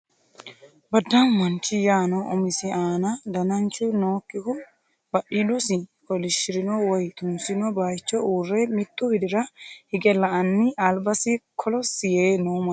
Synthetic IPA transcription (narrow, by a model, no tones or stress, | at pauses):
bɐd̪ːɐnmɐnt͡ʃːɪjaːnɔʔɔmɪsɪaːnɐd̪ɐnɐnt͡ʃːʊnoːkʼːɪkʊn | bɐʔɪlʊsɪkɔlɪʃɪɾɪnɔwɔjt̪ʊnsɪnɔbajt͡ʃːɔuːrːɛmɪt̪ːʊbɪd̪ɪɾɐhɪɡɛlɐɐnːɪɐlbɐsɪkʰɔlɔsɪjeːnoːmɐ